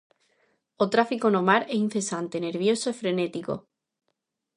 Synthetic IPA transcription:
ot̪ɾafikonomaɾeĩn̟θe̞sant̪ene̞ɾβ̞jo̞soefɾe̞net̪iko̰

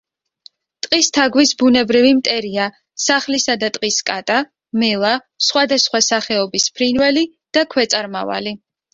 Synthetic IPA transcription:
t̪ʼqʼist̪ʰaɡwisbunɛbɾivimt̪ʼɛɾia | saχlisad̪at̪ʼqʼiskʼat̪ʼa | mɛlˠa | sχwad̪asχwasaχɛɔbispʰɾinvɛli | d̪̥akʰwɛt̪sʼaɾma̰va̰li

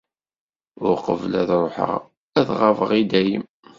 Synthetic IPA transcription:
ʊɾqəvlæðɾˤoħə̰ʁ | æðʁavəʁid̪æjəm

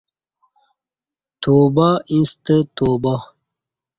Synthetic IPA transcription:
t̪ʰoːbaĩnst̪ət̪oːba

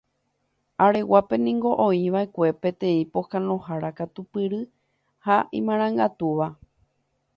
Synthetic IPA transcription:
aɾe̞wape̞nĩŋɡo̞ʔõĩʋae̞kʷe̞pẽ̞t̪ẽ̞ĩpokãnõhaɾakat̪upɨɾɨ | haḭ̃mãɾ̃ãŋɡat̪uʋa

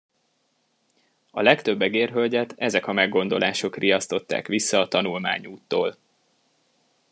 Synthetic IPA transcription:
ɒ̰lɛkt̪ø̞bːɛɡeːrɦølɟɛt̪ɛzɛkɒmɛɡːo̞nd̪o̞lʔaːʃo̞kriɒst̪o̞t̪ːa̰ːkʋisːɒːt̪ɒnulma̰ːɲuːt̪ːo̰ːl

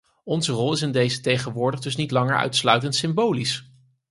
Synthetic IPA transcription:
ɔnzərɔlˠɪsɪndejzətejχənʋʊːɹdəχdɵsnitlɑŋə̰ɹœ̰ɥtslœɥtəntsɪmbowlis

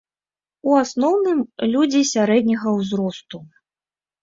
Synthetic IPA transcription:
uasnɔwnɨmlʲud͡zʲisʲaɾɛd̪ʲnʲɐɣɐwzɾɔst̪u

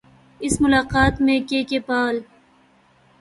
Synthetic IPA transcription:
ɪsmʊlɑːqɑːt̪mẽkekepɑːl

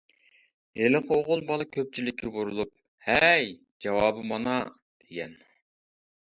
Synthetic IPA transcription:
elɨqʰoʁʊlˠbɑlˠɑkʲʰøp̚t͡ʃʰilɪkʲːibuɾulˠup̚ | hɛj | d͡ʒɑwɑːbɨmɑnɑ | d̪̥eɡʲɛn

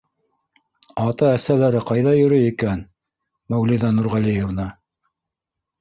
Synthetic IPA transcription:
ɑt̪ɑæsælæɾɘqɑjðɑjɵ̆ɾɵikæn | mæwliðɑnuɾʁælijevnɤ

